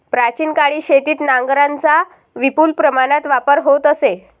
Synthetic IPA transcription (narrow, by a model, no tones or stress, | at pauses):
pɾat͡ɕiːnkaɭiːɕet̪iːt̪nãŋɡɾant͡sa | ʋipuːlpɾəmaɽ̃at̪ʋapəɾɦot̪əse